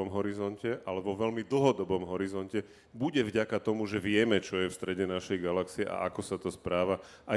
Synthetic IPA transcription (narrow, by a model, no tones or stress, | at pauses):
ɔmɦɔɾizɔncɛʔalɛbɔʋɛʎmid̪l̩ɦɔd̪ɔbɔmɦɔɾizɔncɛ | buɟɛvɟakat̪ɔmuʒɛʋɪɛmɛt͡ʃɔjɛfst̪ɾɛɟɛnaʃɛjɡalaksiɛʔa̰ʔakɔsat̪ɔspɾaːʋa | ʔa